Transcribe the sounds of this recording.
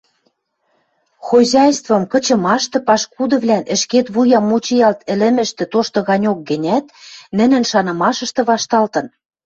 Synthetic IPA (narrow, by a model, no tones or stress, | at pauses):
xozʲɑjst̪vɤ̆mkɤ̆t͡ɕɤ̆mɑʃt̪ɤ̆pɑʃkud̪ɤ̆βlænʔɘ̆ʃket̪βujɑmːut͡ɕijɑlt̪ɘ̆lɘ̆mɘ̆ʃt̪ɘ̆t̪oʃt̪ɤ̆ɣɑnʲok̚ɡɘ̆nʲæt̪nɘ̆nɘ̆nʃɑnɤ̆mɑʃɤ̆ʃt̪ɤ̆βɑʃt̪ɑlt̪ɤ̆n